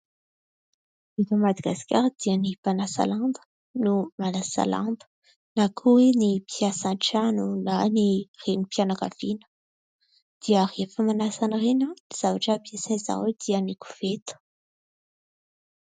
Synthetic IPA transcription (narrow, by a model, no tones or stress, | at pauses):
it̪əmad̪aɡaskʲaɾd̪̥iənipanasa̰lãnd̪ə̥ | numalasa̰lã̰nd̪ə̥ | nakʰuwenipʰjasãʈ͡ʂanulanirenipjanaka̰vinə̥ | d̪̥iərefəmanasanəʁenəniz̥avaʈ͡ʂəbiasɛ̃za̰ed̪̥iəniku̥v̥et̪u̥